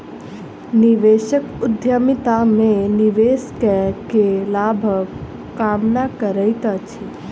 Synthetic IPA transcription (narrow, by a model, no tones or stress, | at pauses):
niʋeːʃəkʊd̪ʱjəmit̪amẽniʋeːskɛkelaːbʱəʋ | kaːmnakəɾəjt̪at͡ʃʰi